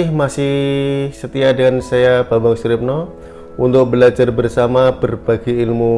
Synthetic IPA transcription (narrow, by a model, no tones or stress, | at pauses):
ɪhmasɪhsət̪iadəŋansajababaŋsɾɪp̚nɔ | unt̪ʊk̚bəlad͡ʒarbərsamabərbaɡiːlmu